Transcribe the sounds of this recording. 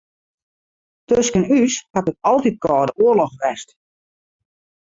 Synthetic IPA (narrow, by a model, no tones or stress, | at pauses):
tøskənyshatəkɑlˠtit̚kɔːdəoərlɔxʋɛst